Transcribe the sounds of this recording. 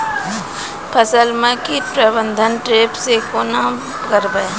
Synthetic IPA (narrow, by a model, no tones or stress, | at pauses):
pʰəsəlmẽkipɾəbə̃nd̪ʱənʈɾeːpsekoːna | kəɾbəe